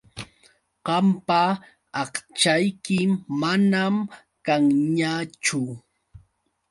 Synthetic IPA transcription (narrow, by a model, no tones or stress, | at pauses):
ɢɑmpaː | χt͡ʃajkɪmːanam | kaŋɲat͡ʃʊ